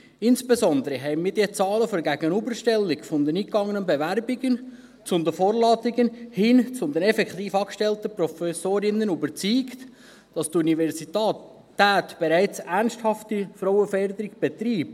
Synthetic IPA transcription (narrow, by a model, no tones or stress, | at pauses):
ɪnsb̥ezɔnd̪əɾəɦɛɪmiːd̥iːt͡sɑːləfɔɾɡæɡənybəɾʃtɛlːɪkfɔnd̪əniːkɑŋːənənbevæɾbɪɡən | t͡sʊnd̪əfɔːɾlɑːt̪ɪɡənhɪnt͡sʊmd̥̪ɛnɛfɛkt̪iːfɑːkʃtɛlt̪əprɔfɛsoːɾɪnːənybəɾt͡syːkt | d̥ɑst̪univɛɾsit̪ɑː | tːæːt̪b̥eɾæɪt͡sæɾnsthɑftifɾɔwəfɛɾd̪əɾɪɡb̥ɛt̪ɾiːb̥̚